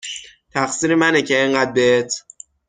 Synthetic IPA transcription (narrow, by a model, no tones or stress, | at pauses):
t̪ʰæxsiːɾemænecʰeeŋɢæːd̪̚beet̪ʰ